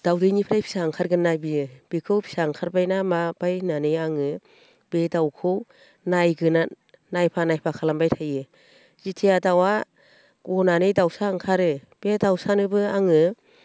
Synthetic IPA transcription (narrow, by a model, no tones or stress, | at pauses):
d̥awdɯjnipʰɾajpʰi̥saŋkʰaɾɡɯnːabiɯb̥ikʰɯwpʰi̥saŋkʰaɾbajnamab̥ajnanɯjaŋɯ | bedawkʰɯw | najɡɯna | najpʰanajpʰakʰalambajtʰajɯ | z̥itʰiadawa | ɔnanɯjdawsaŋkʰaɾɯ | b̥edawsanɯbɯaŋɯ